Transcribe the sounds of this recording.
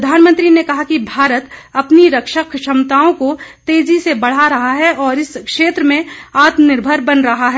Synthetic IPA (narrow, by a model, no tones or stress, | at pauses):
d̪ʱaːnmə̃nt̪ɾinekɐɦakibʱaːɾət̪ɐpniɾɐkʃəkʃɐmt̪aːõkot̪eːd͡ʒisebɐɽ̤aɾɐɦaɦɛɔːɾɪskʃeːt̪ɾəmẽaːt̪mnɪɾbʱəɾbɐnɾɐɦaɦɛː